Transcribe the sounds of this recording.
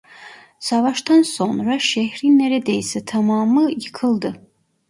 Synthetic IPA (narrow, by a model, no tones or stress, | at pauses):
savaʃt̪ʰansonraʃehrinːɛɾɛd̪ejsɨt̪ʰamɑːmɨjikʰɨld̪ɨ